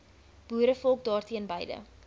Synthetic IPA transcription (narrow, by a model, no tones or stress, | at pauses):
b̥uːɾəfɔlˠk̚dɑːrtiənbɛjdə̰